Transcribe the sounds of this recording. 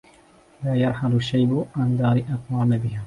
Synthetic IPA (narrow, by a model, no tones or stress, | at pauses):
laːjɑɾˤħalʊʃːajbʊʕand̪ɑːɾɪʔɑqwaːmabɪhaː